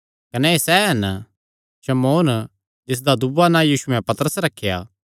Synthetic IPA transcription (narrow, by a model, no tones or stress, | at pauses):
kɐnɛesɛɦɐn | ʃɐmoːn | d͡ʒɪs̬d̪ad̪ʊbanãjiːsʊɛ̃pɐt̪əɾəsɾɐkʰːeja̰ː